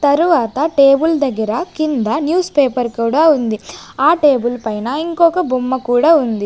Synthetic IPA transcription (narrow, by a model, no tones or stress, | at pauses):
t̪ɐɾuʋaːt̪ɐʈeːbuld̪ɐɡɐɾɐkind̪ɐnjuːspeːpɐɾkuːɽaːund̪iaːʈeːbulpɐjnɐiŋkɔːkɐbumːɐkuːɽaːund̪i